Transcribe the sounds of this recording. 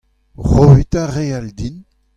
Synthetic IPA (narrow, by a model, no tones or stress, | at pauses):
ʁoit̪aʁeald̪in